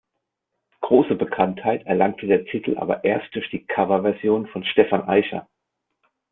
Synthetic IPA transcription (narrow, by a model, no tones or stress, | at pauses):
ɡ̥ʁoːsəbəkʰanthaɪtɛɐlaŋ̚tʰədeːɐtʰɪtʰl̩ʔa̰ːbɐ̰ʔeːɐst̚d̥ʊɐçd̥iːkʰavɐvɛɐzjoːnfɔnʃtɛfanʔaɪçɐ̰